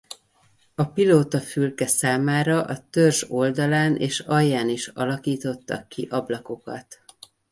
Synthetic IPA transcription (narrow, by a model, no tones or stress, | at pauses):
ɒpiloːt̪ɒfylkɛsaːmaːɾɒʔɒt̪ørʒo̞ld̪ɒlaːnʔḛːʃɒjːaːniʃɒ̰lɒkiːt̪o̞t̪ːɒ̰kːiʔɒblɒko̞kɒ̰t̪